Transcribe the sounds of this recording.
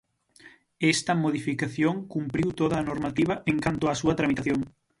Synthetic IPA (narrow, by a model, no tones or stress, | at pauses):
ɛst̪ɐmoð̞ifikaθjoŋkumpɾiwt̪oðɐːnoɾmat̪iβ̞ɐʔeŋkant̪ʊasuɐt̪ɾamit̪aθjoŋ